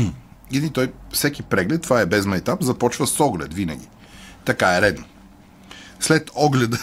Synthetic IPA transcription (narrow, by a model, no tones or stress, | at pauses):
id̪it̪ɔjfsɛkipɾɛɡlɛt̪ːvaɛbɛzmajt̪amzɐpɔt͡ʃvɐsɔɡlɛt̪vinɐ̰ɡʲi | t̪ɐkaɛɾɛd̪no | slɛt̪ɔɡlɛd̪ə